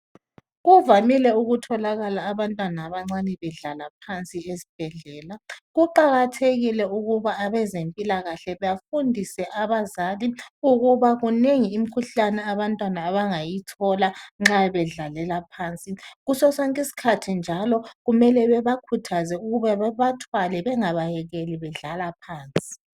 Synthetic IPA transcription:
ɣuvamilɛuɣutʰɔlaɣalaːβantʼwanaːβaŋ͡ǀanɛβɛɮalapʰant͡sʼiesi̥b̥ʱɛɮɛːlaɣuǃaɣatʰeɣilɛuɣuβaːβɛzempʼilaɣaɬɛβɛjafundʱisɛʔaβazaliuɣuβaɣuneŋiːm̩kʰuɬanɛaβantʼwanaːβaŋajitʰɔlaŋ͡ǁaβɛɮalɛlapʰaːnt͡sʼiɣusɔsaŋkʼisi̥kʰatʰind͡ʒʱalɔɣumɛlɛβɛβakʰutʰazɛuɣuβaβɛβatʰwalɛβɛŋaβajɛɣeliβɛɮalapʰaːnt͡sʼi̥

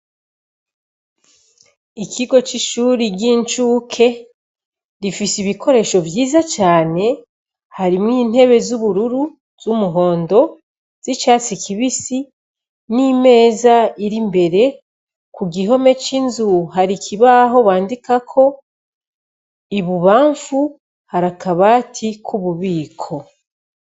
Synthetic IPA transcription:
ikʰiɡo̞t͡ʃiʃuːɾiɟiɲt͡ʃuːkʰe̞ | ɾifisiβikʰo̞ɾe̞ːʃo̞vjiːzat͡ʃaːne̞ | haɾimŋiːn̥he̞βe̞zuβuɾuɾu | zumuɦo̞ːndo̞ | z̥it͡ʃaːt͡sikʰiβisi | nime̞ːzaiɾimbe̞ɾe̞ | kuɡiɦo̞me̞t͡ʃinzuɦaɾikʰiβaɦo̞βaːndikakʰo̞ | iβuβaːɱfu | haɾakaβaːtʰikʰuβuβiːkʰo̞

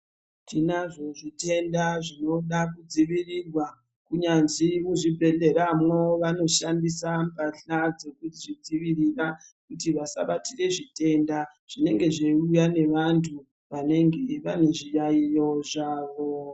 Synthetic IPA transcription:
tinaʐo̞ʐite̞ndaʐino̞ɗakud͡ziʋirirwa | kuɲanzimuʐibʱe̞ɮe̞ɾamwo̞ʋano̞ʃandisampaɬad͡ze̞kutiʐid͡ziʋirirakutiʋasa̰ɓatire̞ʐite̞nda | ʐ̥ine̞ŋɡe̞ʐeujane̞ʋantʰu | ʋane̞ŋɡeʋane̞ʐijaijo̞ʐaːʋo̞

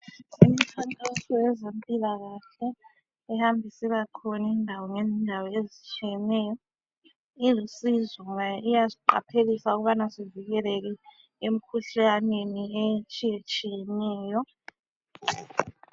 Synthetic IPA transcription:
umitʰantʼɔɬɔɛzempʼilaɣaɬɛ | ɛhambʱisiβaǃʰɔnindʱawɔŋezindʱawɔezit͡ʃʼijɛnɛːjɔ | ilusizɔŋaijaziǃa̰pʰeɣisauɣuβanasiviɣɛlɛɣ̬ɛ | em̩kʰuɬaneniet͡ʃʼijet͡ʃʼijɛnɛːjɔ

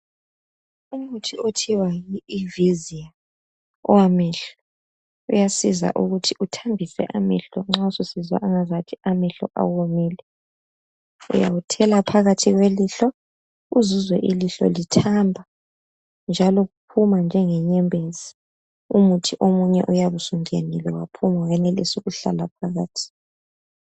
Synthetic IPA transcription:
umutʰiotʰiwajiːvizia | ɔwamɛɬɔ | ujasiza̰ʔuɣutʰiutʰambʱisɛ̰ʔamɛ̰ɬɔŋ͡ǁaususizwa̰ʔaŋazatʰiamɛɬɔ̰ʔa̰womiːlɛ | ṵja̰ɣutʰɛlapʰaɣatʰiɣweliɬɔ | uzuzwɛʔiliɬɔ̰litʰambʱa | nd͡ʒʱalɔɣupʰumand͡ʒʱɛŋɛɲɛmbʱezi | umutʰiʔomuɲɛ̰ʔujaβusuŋʱenilɛwa̰pʰumawɛnelḭsuɣuɬa̰lap̚ʰaɣaːtʰi̥

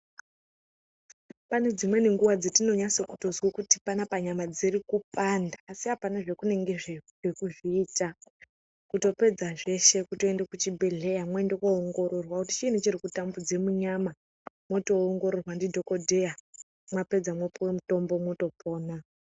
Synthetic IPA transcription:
pane̞d͡zimwe̞ne̞ŋɡuʋad͡zetino̞ɲaso̞kutozwokuti̥panapaɲamad͡zirikupandaːsiɦapanaʐe̞kune̞ŋɡeʐ | ekuʐiːta | kuto̞pe̞d͡zaʐe̞ʃe̞kuto̞e̞ndekut͡ʃibʱe̞ɮe̞jamwe̞ndekoːŋɡo̞ɾo̞rwakutit͡ʃinet͡ʃiɾikutambud͡ze̞muɲama | mo̞to̞ːŋɡo̞ɾorwandidʱo̞ko̞dʱe̞ja | mwape̞d͡zamwepowemuto̞mbo̞moto̞pʰo̞ːna

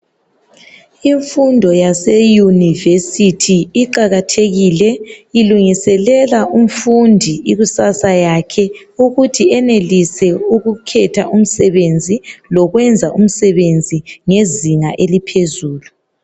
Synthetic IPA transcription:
iɱfundʱɔjasejunivesitʰiiǃaɣatʰeɣilɛiluŋisɛlɛlaʔum̩fundʱiiɣusasajakʰɛuɣutʰiɛnelisɛuɣukʰɛtʰaʔum̩sɛβend͡zʱilɔɣwɛnd͡zʱaʔum̩sɛβend͡zʱiŋeziŋaʔelipʰezuːlu

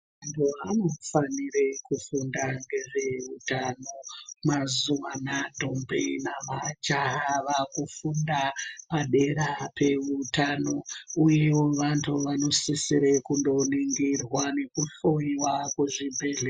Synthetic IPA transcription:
ʋantʰuɦanofanirekufundaŋɡe̞ʐe̞utanomazuwanadʱombʱḛnamat͡ʃaʋakufundapaɗe̞ɾape̞ʋutano̞uje̞wo̞ʋantʰuʋano̞sisiɾe̞kundo̞niŋɡirwane̞kuɬo̞iwakweʐibʱeːɮe

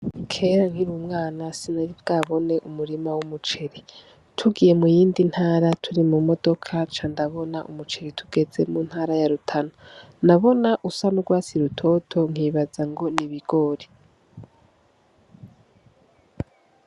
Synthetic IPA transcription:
kʰe̞ɾaŋhiɾuːmŋaːnasinaɾibɡaːβo̞ne̞ʔumuɾimawumut͡ʃeɾi | tʰuɡije̞mujiːndin̥haːɾatʰuɾimumo̞do̞kʰat͡ʃandaβo̞naʔumut͡ʃeɾitʰuɡ̥e̞ze̞mun̥haːɾajaɾutʰanonaβo̞naʔusanuɡwaːt͡siɾutʰo̞tʰo̞ŋ̥iːβad͡zaŋɡo̞niβiɡo̞ːɾi

